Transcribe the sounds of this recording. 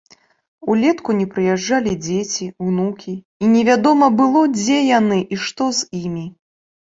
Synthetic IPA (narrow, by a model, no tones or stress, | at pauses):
ulʲɛt̪kunʲɛpɾɨjaʐːalʲid͡zʲet͡sʲiwnukʲiː | nʲɛvʲad̪ɔmɐbɨlˠɔd͡zʲɛjanɨʔiʂt̪ɔzimʲi